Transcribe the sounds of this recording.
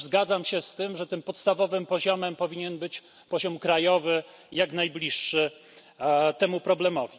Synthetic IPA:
zɡad̪zamɕɛst̪ɘmʐɛt̪ɘmpɔt̪st̪avɔvɘmpɔʑɔmɛmpɔvʲiɲɛnbɘt͡ɕ | pɔʑɔmkɾajɔvɘ | jaɡnajblʲiʂːɘ | t̪ɛmupɾɔblɛmɔvʲi

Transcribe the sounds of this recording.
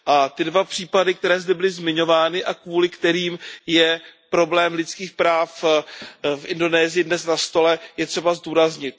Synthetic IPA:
ʔat̪ɪdvapr̥iːpadɪk̚t̪ɛɾɛːzdɛbɪlɪzmɪɲo̞vaːnɪʔakvuːlɪkt̪ɛɾiːmjɛpɾo̞blɛːmlɪt̪t͡skiːxpɾaːf | fʔɪndo̞nɛːzɪjɪdnɛsnast̪o̞lɛjɛt̪r̥ɛbazduːɾazɲɪt̪̚

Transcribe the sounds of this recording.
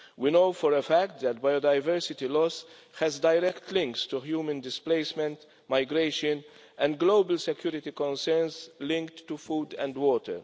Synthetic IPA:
winoʊfɔɾəfækt̪̚ðɛt̚bajod̪aɪvɛɹsɪt̪ilɔs | hɛzdajɾɛkt̪ʰlɪ̃ŋkstuhjuːmə̃nd̪ɪspleɪsmɛ̃nt̪ | maɪɡɾeɪʃə̃n | ɛ̃nd̚ɡloʊbəlsɛkjuːɾɪt̪ikɔ̃nsɛɹnszlɪ̃ŋktːufuːd̪ɛ̰̃ndwɔːt̪ʰə̰ɾ

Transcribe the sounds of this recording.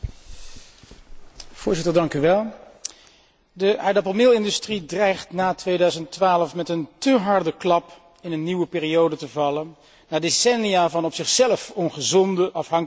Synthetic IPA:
v̥ʊːɹzɪtəɹdɑŋkyʋɛlˠ | dəʔaːdɑpəlˠmɪlˠɪndystridrɛjχtnaːtʋejdœɥzəntʋaːləfmɛtəntəɦɑɹdəklɑp | ɪnənːiʋəpɪːriowdətəvɑlən | naːdesɛnijaːvɑnɔpsɪχsɛləfɔnχəzɔndəʔɑfɦɑŋk

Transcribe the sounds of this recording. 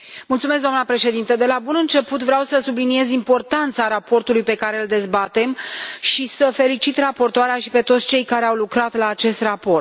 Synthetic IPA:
mult̪sumes̬kd̪oamnəpɾe̞ʃe̞d̪int̪əd̪e̞labunɨnt͡ʃe̞put̪vɾeawsəsublinie̞zimpo̞rt̪ant̪saɾapo̞rt̪ulujpe̞kaɾe̞ɨld̪e̞zbat̪e̞mʃisəfe̞lit͡ʃit̪rapo̞rt̪oaɾeaʃipe̞t̪ot̪sʲt͡ʃe̞jkaɾe̞awlukɾat̪laːt͡ʃe̞st̪rapo̞rt̪

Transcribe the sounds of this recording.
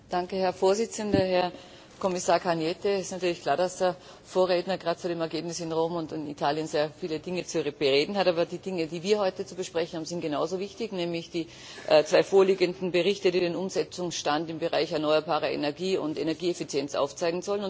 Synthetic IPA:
d̥aŋkəhɛɐfoːɐzɪt͡səndɐɦɛɐ | kʰɔmɪsaːɐkʰanjɛtəɪstnatʰyːɐlɪçkl̥aːɐdasd̥eɐ | foːɐʁeːdnɐɡʁaːtt͡suːɾeːmɛɐɡeːbnɪsɪnʁoːmʊntɪnḭtʰaːljənzeːɐfiːlədɪŋət͡sub̥əʁeːdn̩hataːbɐdiːdɪŋədiːviːɐhɔʏtət͡subəʃpʁ̥ɛçn̩haːm̩zɪnt̚ɡ̥enaʊzovɪçtɪçnɛːmlɪçd̥iː | ʔt͡sv̥aɪfoːɐliːɡəndn̩bəʁɪçtədiːdeːnʊmzɛt͡sʊŋsʃtantɪmbəʁaɪçɛɐnɔʏɐbaːʁɐʔḛnɛɐɡiːʊ̰ntenɛɐɡiːefɪt͡sjɛnt͡sʔa̰ʊft͡saɪɡŋ̩zɔlənʊn

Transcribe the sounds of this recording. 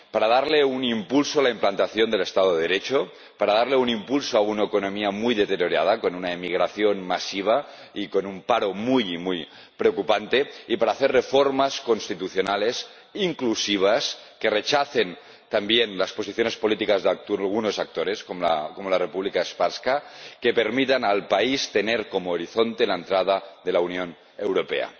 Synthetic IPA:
paɾað̞aɾleunimpulsoalaimplant̪aθjo̞nd̪ele̞st̪aðoðeðeɾet͡ʃo | paɾaðaɾleunimpulsoaunaekono̞miamujðet̪eɾjoɾa̰ð̞ako̞nunaemiɣɾaθjonmasiβ̞a | iko̞numpaɾomujimuj | pɾeokupant̪e̞ipaɾaːθerrefoɾmasko̞nst̪it̪uθjo̞nale̞s | iŋklusiβ̞as | keret͡ʃaθe̞n | t̪ambjenlaspo̞s̬iθjone̞spolit̪ikazðakt̪lɣ̞uno̞sak̚t̪oɾe̞skoko̞molarepuβlikaespaɾskake̞pe̞ɾmit̪analpaist̪e̞neɾko̞moːɾiθo̞nt̪elaent̪ɾað̞aðe̞launjo̞n | e̞wɾope̞̰a̰

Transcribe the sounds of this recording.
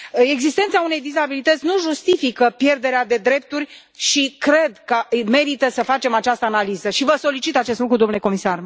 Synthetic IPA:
e̞ɡzist̪e̞nt̪saune̞jd̪izabilit̪ət̪sʲnuʒust̪ifikəpje̞rd̪e̞ɾead̪e̞d̪ɾe̞p̚t̪urʲ | ʃikɾe̞d̪kəme̞ɾit̪əsəfat͡ʃe̞mat͡ʃast̪əanalizəʃivəso̞lit͡ʃit̪at͡ʃe̞st̪lukɾud̪omnlekomisar

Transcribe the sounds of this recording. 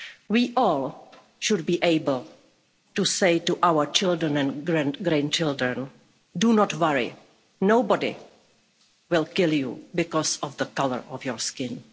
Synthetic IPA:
wiːʔɔːlˠ | ʃud̚biːʔeɪbəl̩ˠ | tuseɪtuʔawə˞t͡ʃɪldɹə̃nɛ̃nɡɹæ̃nɡɾæ̃nt͡ʃɪlˠdɹɛ̃n | dunɔtwaɹḭ | noʊbɔdḭ | wɪlˠkɪljṵbɪkɔsɔvðəkalə̰ɹɔfjɔɹskɪ̃n

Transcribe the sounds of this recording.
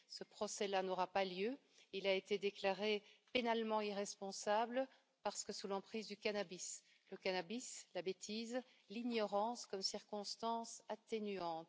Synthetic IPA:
səpχɔsɛlanɔʁapaljø | ilaet̪ed̪eklaʁepenalmɑ̃iʁɛspɔ̃sabl | paʁsə̥kəsulɑ̃pχizd̪ykanabis | ləkanabislabet̪ʰiz | liɲɔʁɑ̃skɔmsiʁkɔ̃st̪ɑ̃sat̪enyɑ̃ːt̪

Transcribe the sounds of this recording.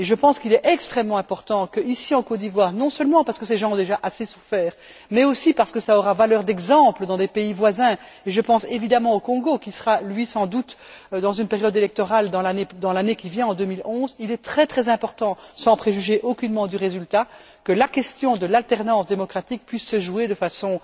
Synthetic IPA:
eʒəpɑ̃skilɛʔɛkst̪χɛmːɑ̃ɛ̃pɔʁt̪ɑ̃kəisiɑ̃kot̪̚d̪ivwaːʁnɔ̃sœlmɑ̃paʁsə̥kəsɛʒɑ̃ɔ̃d̪eʒaʔasesu̥fɛːʁ | mɛosipaʁsəkəsaɔʁavalœːʁd̪ɛɡzɑ̃pləd̪ɑ̃d̪ɛpeivwazɛ̃ | eʒəpɑ̃sevid̪amɑ̃okɔ̃ɡokʲisəʁalɥisɑ̃d̪ut̪d̪ɑ̃zynpeʁjɔd̪elɛk̚t̪ɔʁald̪ɑ̃laned̪ɑ̃lanekʲivjɛ̃ɑ̃d̪ømilɔ̃zilɛt̪χɛt̪χɛzɛ̃pɔʁt̪ɑ̃sɑ̃pχeʒyʒeʔokʲynmɑ̃d̪əʁezylt̪a | kəlakʲɛst̪jɔ̃d̪əlalt̪ɛʁnɑ̃sd̪emɔkχat̪ik̚pɥisːəʒued̪əfasɔ̃

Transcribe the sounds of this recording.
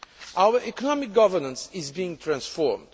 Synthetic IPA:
ʔawə˞ʔɛkɔnɔmɪk̚ɡʌvənə̃nsɪzbiɪ̃ŋt̪ʰɹãnsfɔɹmd̥

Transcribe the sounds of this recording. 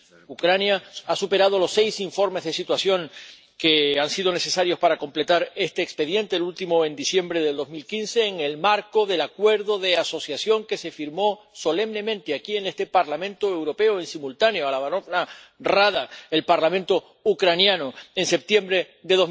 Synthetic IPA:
ukɾanjaasupe̞ɾað̞o̞lo̞sːe̞jsiɱfo̞ɾme̞zðe̞sit̪wasjo̞ŋ | keansiðo̞ne̞se̞saɾjo̞spaɾako̞mple̞t̪aɾe̞st̪eːkspe̞ðje̞nt̪e̞ːlult̪imo̞ẽnd̪isje̞mbɾe̞ðeld̪o̞zmilkinse̞ːŋe̞lmaɾko̞ðe̞lakwe̞ɾðo̞ðe̞aso̞sjasjo̞ŋke̞se̞fiɾmo̞so̞le̞mne̞mẽnt̪eakie̞ne̞st̪e̞paɾlamẽnt̪oe̞wɾo̞pe̞oe̞nsimult̪anjoalaβanona | raðae̞lpaɾlamẽnt̪o̞ | ukɾanjanoense̞p̚t̪je̞mbɾe̞ | ðe̞ðoz

